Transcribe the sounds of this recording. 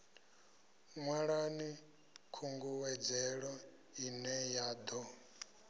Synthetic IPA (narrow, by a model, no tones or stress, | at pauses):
ŋwaɺani | kʰuŋɡuwɛd͡zɛɺɔ | inɛjaːd̪ɔ